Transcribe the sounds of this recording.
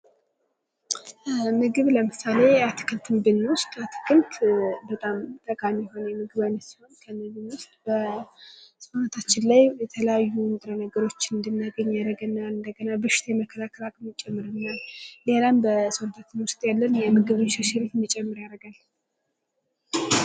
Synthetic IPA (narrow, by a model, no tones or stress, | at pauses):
mɨɡɨβləmɨsale̞at̪ʰɨ̥kʰɨlt̪ʰɨmbɨnːwʊst̪ʼat̪ʰɨ̥kʰɨlt̪bət̪ʼamt̪ʼəkʼamijho̞njɛmɨɡɨβanːəsiho̞nkʰəmɨɡɨnwʊst̪ʼbə | sonət̪ʰat͡ʃːɪnlajjɛt̪ʰələjajːund̪ɨɾənəɡəɾo̞t͡ʃːɨnd̪ɨnːaɡəɲːaɾəɡɨnːaɨnd̪əɡənabɨʃɪ̥t̪ʰjɛməkʰːəlakʰəlakʼmɨt͡ʃʼːɛmːɨɾɨnːalelambəsont̪ʰat̪ʰɨnwɨɾst̪ʼjalːənjɛmɨɡɨβɨnʃɛʃɪlet̪nɨt͡ʃʼːɛmːɨɾjaɾəɡal